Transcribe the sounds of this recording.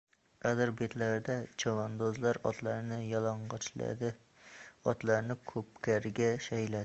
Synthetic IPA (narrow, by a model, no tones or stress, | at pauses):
qæd̪ɨɾbet̪ʰlæɾd̪ɛt͡ʃʰɑwɑnd̪ozlˠɑɾɒ̰t̪lˠɑɾnɪjɑlˠɑɴʁɑt͡ʃʰlɛ̰d̪ɪ | ɒ̰t̪lˠɑɾnɪkʰɵp̚kʲæɾɡʲɛʃɛjlæɪ